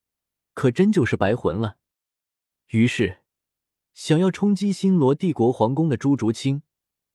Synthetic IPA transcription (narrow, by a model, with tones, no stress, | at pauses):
kʰɤ˨˩ʈ͡ʂə˥nt͡ɕjo˥˧ʊʂɻ̩˥˩pa˧˥ɪxwə̰˧˥nlə˨ | y˧˥ʂɻ̩˥˩ | ɕjɑ˨˩ŋjɑ˥˩ʊʈ͡ʂʰʊ˥ŋt͡ɕi˥ɕi˥nlwɔ˧˥t̪i˥˩kwɔ˧˥xwɑ˧˥ŋkʊ˥ŋd̪ə˨ʈ͡ʂu˥ʈ͡ʂu˧˥t͡ɕʰi˥ŋ